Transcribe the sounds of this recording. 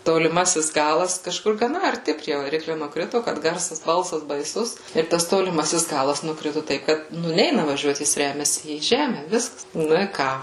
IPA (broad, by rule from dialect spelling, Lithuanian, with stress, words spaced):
toːlʲɪˈmɑːsʲɪs ˈɡɑːlˠɐs kɐʃˈkʊr ɡɐˈnɐ ɐrʲˈtʲɪ pʲrʲiɛ ʋɐˈrʲɪklʲʊ nʊkˈrʲɪtʊ kɐt ˈɡɐrsɐs ˈbɐlˠsɐs bɐɪˈsʊs ɪr ˈtɐs toːlʲɪˈmɑːsʲɪs ˈɡɑːlˠɐs nʊˈkrʲɪtʊ ˈtɐɪp ˈkɐt ˈnʊ ˈnʲɛɪnɐ ʋɐˈʒʲuɔt ˈjɪs ˈrʲæːmʲɛsʲɪ iː ˈʒʲæːmʲɛ ˈʋʲɪskɐs ˈnʊ ɪ ˈkɑː